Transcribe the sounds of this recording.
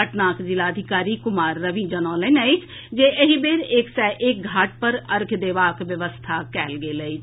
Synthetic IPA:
əʈnaːkzɪlaːəd̪ʱɪkaːɾiːkʊmaːɾːəʋiːd͡ʒənaːlenait͡ʃ | d͡ʒeːʔəɦibeːɾeksɛːʔɪk̚ɡʱaːʈ̚pəɾəɾkʰd̪eːʋaːkʋjəʋəst̪ʰaːkɛːlɡeːləiː

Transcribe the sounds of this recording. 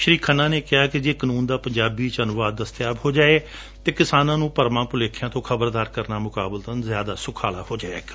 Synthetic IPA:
ʃəɾiːkʰənãːneːkɪaːkɪd͡ʒeːkənũːnd̪aːpəɲd͡ʒaːbiːt͡ʃənʊʋaːd̪ːəst̪ɪjaːbɦoːd͡ʒaːeː | t̪eːkɪsaːnãːnũːpəɾmãːpʊleːkʰːjãːt̪õːkʰəbəɾd̪aːɾkəɾnaːmʊkaːbəlt̪ənzjaːd̪aːsʊkʰaːlaːhoːd͡ʒaːḛːɡ

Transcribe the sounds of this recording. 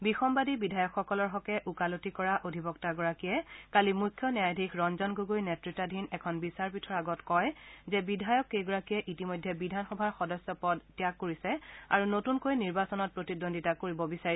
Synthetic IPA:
bixɔmbadibidʱajɔkxɔkɔlɔɹɦɔkɛʔukalotikɔɹaʔodʱibɔktaɡɔɹakijɛkalimukʰːjɔnjajdʱikʰɹɔnzɔnɡoɡojnɛtɹitadʱinɛkʰɔnbisaɹpitʰɔɹaɡɔtkɔjzɛbidʱajɔkːejɡɔɹakijɛʔitimɔjdʱːɛbidʱanxɔbʱaɹxɔdɔsːɔpɔdtjakːoɹisɛa̰ɹunotunkojniɹbasɔnɔt̚pɹotidonditakoɹibɔbisai

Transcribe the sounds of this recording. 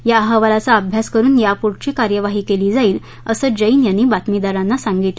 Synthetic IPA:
jaɦəʋalat͡saəbʱjaskəɾuːnjapuʈt͡ɕiːkaɾjəʋaɦiːkeliːd͡zaiːl | əsəd͡ʑəiːnjanːiːbat̪mid̪aɾanːasaŋɡiːt̪

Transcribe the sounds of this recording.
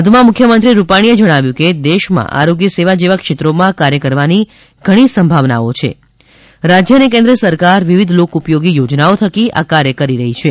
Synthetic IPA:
ɦəd̪ʱumãmukʰjəmənt̪ɾiɾupaɽ̃ied͡ʒəɽ̃aʋjũked̪eʃmã̰ʔa̰ɾoɡjəseʋad͡ʒeʋəkʃet̪ɾomãkaɾjəkəɾʋani | ɡ̥ʱəɽ̃isəmbʱaʋna̰ot͡ʃʰḛ | ɾad͡ʒjəənekẽnd̪ɾəsəɾkaɾʋiʋid̪ʱlokupjoɡijod͡ʒnaot̪ʰəkiʔa̰kaɾjəkəɾiɾəɦit͡ʃʰe

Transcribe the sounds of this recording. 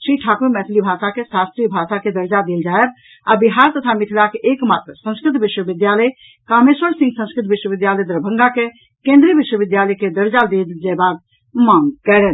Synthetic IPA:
ʃiːʈʰaːkuɾmɛːt̪ʰlibʱaːsakesaːst̪ɾijbʱaːsaked̪əɾd͡ʒad̪eld͡ʒaeb | abiɦaːɾt̪ət̪ʰamɪt̪ʰilakeʔeːkmaːt̪ɾəsə̃ñskɾɪt̪bɪʃwəbɪd̪jaləj | kaːmeswəɾsĩŋɡsə̃nskɾɪt̪ʋɪʃwəbɪd̪jaːləjd̪əɾbʱə̃ŋɡake | kẽnd̪ɾijbɪʃwəbɪd̪jaːləjked̪əɾd͡ʒad̪eld͡ʒɛbaɡ̪ | mãŋɡkɛɾɛːn

